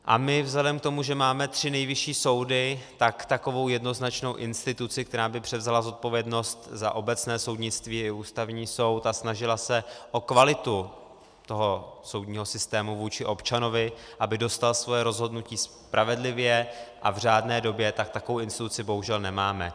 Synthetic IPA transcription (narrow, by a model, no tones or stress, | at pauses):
ʔa̰mɪvzlɛdɛmkt̪o̞muʒɛmaːmɛt̪r̝̥ɪnɛjvɪʃiːso̞wdɪt̪akt̪ako̞vo̞wjɛdno̞znat͡ʃno̞wʔɪnst̪ɪt̪ut͡sɪkt̪ɛɾaːbɪpr̥ɛvzalazo̞t̪̚po̞vjɛdno̞st̪zaʔo̞bɛt͡snɛːso̞wdɲɪt͡st̪viːɪuːst̪avɲiːso̞wt̪asnaʒɪlasɛʔo̞kvalɪt̪u | t̪o̞ɦoso̞wdɲiːɦo̞sɪst̪ɛːmuvuːt͡ʃɪʔo̞pt͡ʃano̞vɪʔabɪdo̞st̪alasvo̞jɛɾo̞zɦo̞dnuciːs | pɾʔavɛdlɪvjɛʔavr̝aːdnɛːdo̞bjɛt̪ak̚t̪akovowɪnst̪ɪt̪ut͡sɪbo̞ɦuʒɛlnɛmaːmɛ̰